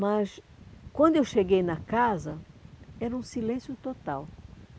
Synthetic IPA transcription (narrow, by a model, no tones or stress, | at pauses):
mɐs | kwɐ̃nd̪ʊewʃeɡejnɐkazɐɛɾɐũsilẽsjʊt̪ot̪aw